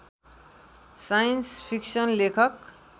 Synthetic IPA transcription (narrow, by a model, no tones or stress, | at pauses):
sajnspʰiksʌnlekʰʌk